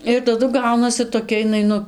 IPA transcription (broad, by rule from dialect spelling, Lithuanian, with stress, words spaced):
ɪr tɐˈdʊ ˈɡɐʊnɐsʲɪ toːˈkʲɛ ɪˈnɐɪ ˈnʊ